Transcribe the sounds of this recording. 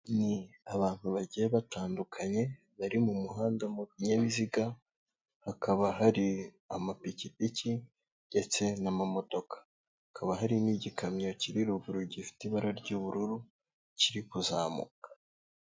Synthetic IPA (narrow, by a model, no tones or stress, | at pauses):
niaβaːn̥huβaɟieβataːndukʰaɲe̞ | βaɾimumuɦaːndamuβiɲeβiziɡa | hakaβaɦaɾi | amapicipici | ɟe̞t͡se̞namamo̞d̥o̞kḁ | hakʰaβaɦaɾimiɟikamo̞ciɾiɾuɡuɾuɟifi̥tiβaɾaɾɟoβuɾuɾu | ciɾikuzaːmṵkḁ